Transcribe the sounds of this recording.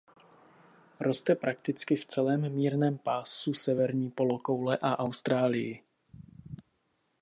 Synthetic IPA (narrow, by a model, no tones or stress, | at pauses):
ɾo̞st̪ɛpɾʔak̚t̪ɪt͡skɪft͡sɛlɛːmːiːɾnɛːmpaːsusɛvɛɾɲiːpo̞lokowlɛʔaʔawst̪ɾaːlɪjɪ